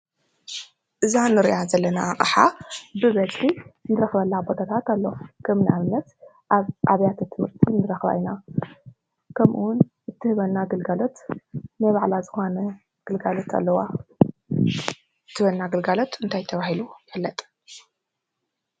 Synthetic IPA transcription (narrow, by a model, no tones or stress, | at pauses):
ʔɨzanɨɾiʔazɐlːɐnaːχʼɨħa̰bɨβɐtʼinɨɾɐxβɐlːabo̞d̪at̪ʰat̪alːokʰɐmnʔaβɨnɐt̪ | ʔaβjat̪ʰat̪ʰɨmhɨɾt̪ʰinːɨɾɐxβa̰jna | kʰɐmʔuwʊn | ɨt̪ʰːɨhɨβɐnːaɡɐlɡalo̞t̪nɐβaʕlazɨxonɐ | ɡ̥ɨlɡalo̞t̪ʰa̰lːɐwa | ɨt̪ʰːɨhβɐnːaɡɨlɡalo̞t̪ɨnt̪ʰajt̪ʰɐβahilujfɨlːɐt̪ʼ